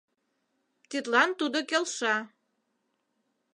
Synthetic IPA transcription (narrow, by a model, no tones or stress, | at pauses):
t̪it̪lɑnt̪ud̪okelʃɑ